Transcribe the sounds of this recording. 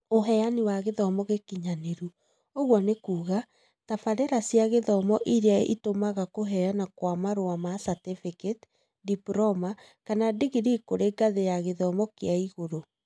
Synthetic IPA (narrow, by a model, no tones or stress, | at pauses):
oɦɛjaniwaɣeðɔmɔɣekiɲaneɾu | oɣwɔnekuːɣa | tafaɾɛɾasjaɣeðɔmɔʔiɾeaḭtomaɣakoɦɛanakwamaɾoamasatefiket | dipɾɔma | kanadiɣiɾikoɾeɡaðejaɣeðɔmɔkeaiɣoɾo